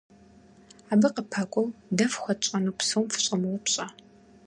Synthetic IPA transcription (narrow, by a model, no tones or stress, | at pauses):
aːbɨqəpʰɐkʷʼɔwdɐfxʷɔt͡ʃʼɐnupsɨwmfɨ̥ɕʼɐmɨwɐpɕʼɐ